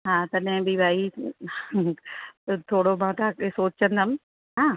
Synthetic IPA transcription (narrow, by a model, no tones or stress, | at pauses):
ɦãːt̪ɐɗɦɪ̃bibʱaːi | t̪ʰoːɽomãːt̪aːkesoːt͡ɕə̃nd̪ʱəm | ɦãː